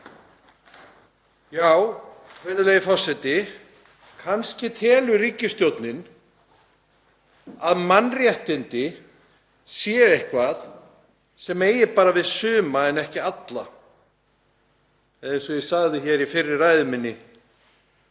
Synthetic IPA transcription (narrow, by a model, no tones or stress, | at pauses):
jaːwkʰvɛɾðɪlejɪfɔr̥sɛt̪ɪ | kʰanscɪt̪ʰɛːlʏɾiːcːɪst̪jowt̪nɪn | aðmanrjɛht̪ɪnt̪ɪ | sjɛːejhkvað | sɛmeːjɪpaːɾavɪðsʏːmaɛnɛhcɪat̪la | ɛðejnsɔjɪsaɣðɪçɛɾifɪrːɪraːjðɪmɪnːɪ